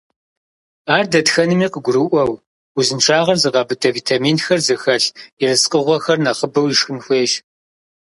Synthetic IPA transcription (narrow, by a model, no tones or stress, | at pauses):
aːrdɐtxɐnɨmiːqəɡʷʊɾɨʔʷɐw | uzɨnʈ͡ʂʰaːʁɐrzɨʁɑbɨtʰɐviːtʰamiːnxɐrzɨxɐɬirɨsqʼəʁʷɔxɐrnɐχəbɐwiʂxɨnxʷeːʃ